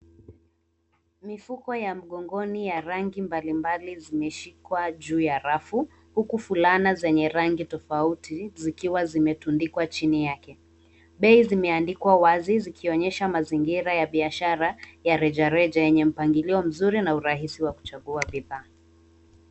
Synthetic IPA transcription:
mifukɔjam̩ɠɔŋɡɔnijaɾaŋɡimbalimbalizimɛʃikwaʄuːjaɾafu | hukufulanazɛɲɛɾaŋɡitɔfautizikiwazimɛtundikwat͡ʃinijakɛ | ɓɛizimɛandikwawazizikʰiɔɲɛʃamaziŋɡiɾajaɓiaʃaɾajaɾɛd͡ʒaɾɛd͡ʒajɛɲɛm̩paŋɡiliɔm̩zuɾinauɾaɦisiwaku̥t͡ʃaɠuaɓiðaː

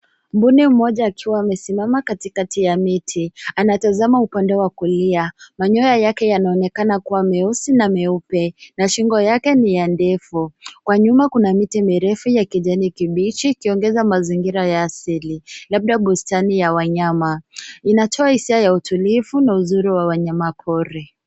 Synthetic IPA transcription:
m̩bunim̩mɔʄaːkʰiwaːmɛsimamakatikatijamitʰianatazamaupandɛwakuliamaɲɔjajakɛjanaɔnɛkanakuwamɛɔsinamɛupɛnaʃiŋɡɔjakɛnijandɛfukwaɲumakunamitimiɾɛfujakiʄɛnikiɓit͡ʃiːkiɔŋɡɛzamaziŋɡiɾajaːsililab̚ɗaɓustanijawaɲamainatʰɔahisiajautulifunauzuɾiwawaɲamapʰɔɾɛ

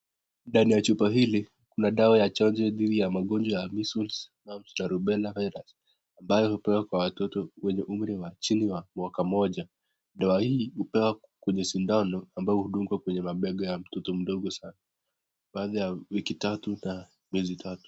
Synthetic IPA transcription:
nɗanijat͡ʃupaɦili | kunaɗaajat͡ʃand͡ʒɛðiðijamaɠɔnd͡ʒɔjamisulsmam̩snaɾuɓɛlavɛɾas | ambajɔhupɛwakwawatɔtɔwɛɲɛʔum̩ɾiwat͡ʃiniwamwakamɔʄa | ɗawahiːhupɛwa | kwɛɲɛsindanɔambaɔhuɗumɡwakwɛɲɛmaɓɛɡɔjam̩tɔtɔm̩ɗɔɠɔsana | ɓaːðajawikitatuna | mjɛzitʰatu̥

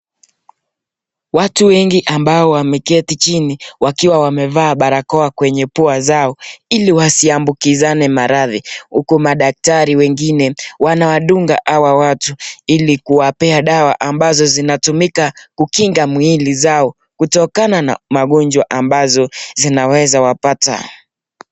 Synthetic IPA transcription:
watuwɛŋɡiʔambaɔwamɛkɛtit͡ʃiniwakiwawamɛvaːɓaɾakɔakwɛɲɛpuazaɔiliwasiambukizanɛmaɾaðihukumaɗak̚taɾiwɛŋɡinɛwanawaɗuŋɡa̰ʔawawatuilikuwapɛaɗawaʔambazɔzinatumikakukiŋɡamwilizaɔ | kutɔkanana̰maɠɔɲd͡ʒwaʔambazɔzinawɛzawapata̰

